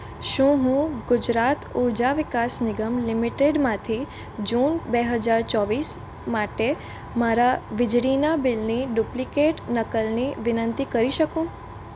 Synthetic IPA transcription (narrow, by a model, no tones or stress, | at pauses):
ʃũɦũɡʊd͡ʒɾat̪uɾd͡ʒaʋɪkasnɪɡəmlɪmiʈeɖmãt̪ʰi | d͡ʒunbeɦəd͡ʒaɾt͡ʃɔʋis | maʈe | maɾaʋɪd͡ʒɽinabɪlniɖuplikeʈnəkəlniʋɪnənt̪ikəɾiʃəkũ